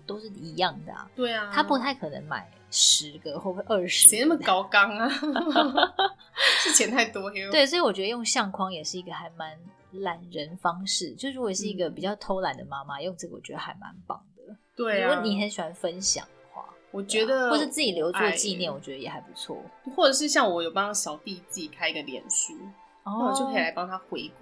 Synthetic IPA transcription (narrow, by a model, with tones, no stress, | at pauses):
t̪o˥ʊʂɻ̩˥˩i˧˥jɑ˥˨˩ŋd̪ə̰˩t̪we˥˩ɪa˩t̪ʰa˥pu˧˥t̪ʰa˥˩ɪkʰɤ˨˩nə̰˧˦ŋma̰˨˩ɪʂɻ̩˧˦ɡə˨xwɔ˥˩ə˦ʂʔə˥˩ʂɻ̩˨˧˨nə˥˩mə˨kɑ˥ʊkɑ˦˥ŋ˨ | ʂɻ̩˥˩t͡ɕʰjɛ˧˥nt̪ʰa˥˧˩ɪt̪wɔ˥˧we˥˩ɪswi˨wɔ˨˩t͡ɕɥɛ˧˥d̪ə˧jo˥˧ŋɕjɑ˥˩ŋkʰwɑ˥ŋjɛ˨˩ʂɻ̩˥˩i˧˥ɡə˧xa˧˥ɪma˧˦n | la˧˥nɻə˧˦nfɑ˦ŋʂɻ̩˥˩t͡ɕjo˥˧ʊʂ̩˥˩ɻu˧˥kwɔ˨˩ʂɻ̩˥˩i˧˥ɡə˨pi˨˩t͡ɕjɑ˥˩ʊt̪ʰo˥ʊla˨˥nd̪ə˩ma˦ma˦jo˥˧ŋt͡sə˥˩ɡə̰˨wɔ̰˨˩t͡ɕɥɛ˧˦d̪ə˧˩a˧˥ɪma̰˧˦npɑ̰˨˩ŋd̪̥ə˩˦t̪we˥˩˥o˥˩ni˨˩xə˧˦nɕi˨˩wa˧˥nfə˦nɕjɑ̰˨˩ŋd̪ə˦xwa̰˥˩wɔ˨˩t͡ɕɥɛ˧˥d̪ə˨ɔ˥˩ʂɻ̩˥t͡sɹ̩˥˩t͡ɕi˨˩ljo˧˥ʊwɔ˥t͡ɕi˥˧njɛ˥˩nwɔ˨˩t͡ɕɥɛ˧˦d̪ə˧jɛ˨˩xa˧˥ɪpu̥˧˦t͡sʰwɔ̰˥˩xwɔ˥˩ʈ͡ʂɤ˨˩ʂ̬ɻ̩˥˧ɕjɑ˥˩ŋwɔ˨˦jo˨˩ʊpɑ˥ŋa˥˩ŋɕjɑ˨˩ʊt̪i˥˧t͡sɹ̩˥˩t͡ɕi˨˩kʰa˥ɪi˧˥ɡə˨˩ljɛ̰˨˦nɕy˥ | ɔ˥a˥˩wt͡ɕo˥˩kʰə˧˥i˨la˧ɪpɑ˥ŋt̪ʰa˥xwe˧˥ɪk